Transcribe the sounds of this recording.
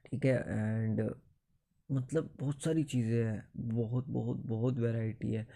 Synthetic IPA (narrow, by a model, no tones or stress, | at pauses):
ʈʰiːkɛʔɛɳɖ | mət̪ləbːɔɦːt̪saːɾiːt͡ɕiːzẽɦɛbɔɦʊt̪̚bɔɦʊt̪̚bɔɦʊt̪ʋɛɾaɪʈḭɦɛ